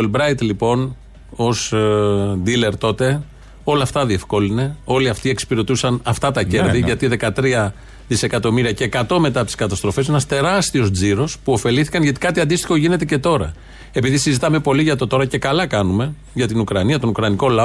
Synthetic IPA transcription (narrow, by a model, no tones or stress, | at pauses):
olbɾɐjt̪lipo̞n | o̞s | d̪ile̞ɾt̪o̞t̪e̞ | o̞lɐːft̪ɐðie̞fko̞line̞o̞liɐft̪ie̞kspiɾe̞t̪usɐnɐft̪ɐt̪ɐcce̞ɾðiʝɐt̪iðe̞kɐt̪ɾiɐ | ðise̞kɐt̪o̞miɾiɐce̞ːkɐt̪o̞me̞t̪ɐt̪i̥skɐt̪ɐst̪ɾo̞fese̞nɐst̪e̞ɾɐst̪io̞zd͡ziɾo̞spuo̞fe̞liθi̥kɐnʝɐt̪i̥kɐt̪iɐnd̪ist̪i̥xo̞ʝine̞t̪e̞ce̞t̪o̞ɾɐ | e̞piðisizit̪ɐme̞po̞liʝɐt̪o̞t̪o̞ɾɐce̞kɐlɐkɐnume̞ | ʝɐt̪inukɾɐniɐt̪o̞nukɾɐniko̞lɐo